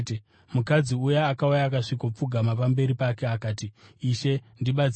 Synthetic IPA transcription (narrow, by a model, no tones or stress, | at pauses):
mukad͡ziujeakaujaːkaʂikop͡fuɡʱamapambe̞ɾipakeakaːtiːʃe̞ndiɓat͡s